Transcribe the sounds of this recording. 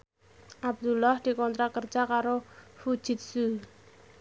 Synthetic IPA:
ʔab̚d̪ulɔhd̪̥i̤kɔnt̪ɾakər̥ʒ̥akaɾofud̥ʒ̥ɪ̤t̪̚su

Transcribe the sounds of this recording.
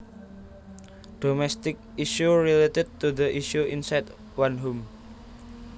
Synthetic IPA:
ɖ̥omɛst̪ɪk̚iʃuɾiletɛd̚t̪uðəʔiʃuʔinsajd | wanɦum

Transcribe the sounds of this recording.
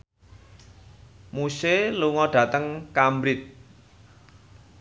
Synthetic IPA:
museluŋɔɖ̥ä̤t̪əŋkambɾɪt̪̚

